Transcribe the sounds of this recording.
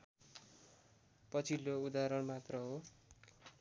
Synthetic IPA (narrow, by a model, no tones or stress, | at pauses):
pʌt͡sʰiloud̪aɾʌɽmat̪rʌɦo